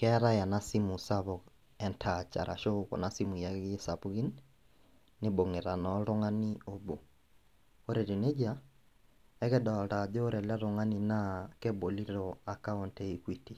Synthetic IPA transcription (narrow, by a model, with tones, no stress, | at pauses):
kɛ˦ɾa˦ja˨nasi˦mu˨saβɔ | ɛ˨ntʰat͡ʃa̰˨ɾʔa̰˨ʃo˦kɔ̰˨nasimu˨jaɣe˦sapuɣi˦nː | ebo˨ŋe˨ɾa˨nɔɾo˦ŋa˦ni˦obo˨ | o˦ɾɛ˨ɾi˨ne˦d͡ʒa | ɛɣɛ˦dɔ˨ɾa˨d͡ʒoː˦ɾɛ˨la˦ɾoŋa˦ni˦nakebo˨li˦ɾɔa˨ka˦ɔ˨ntɛ˦ikwiti